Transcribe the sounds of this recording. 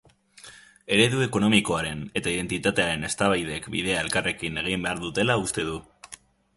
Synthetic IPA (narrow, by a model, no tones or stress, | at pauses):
e̞ɾe̞ðue̞kono̞miko̞aɾe̞ne̞t̪aiðe̞nt̪it̪at̪e̞aɾe̞ne̞st̪aβajðe̞kbḭðe̞ae̞lkare̞kine̞ɣ̞imbe̞aɾðut̪e̞laust̪e̞ðu